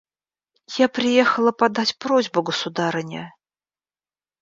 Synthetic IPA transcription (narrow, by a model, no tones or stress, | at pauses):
japɾʲɪjexəlˠəpad̪atʲpɾozʲbʊɡəsud̪aɾənʲə̰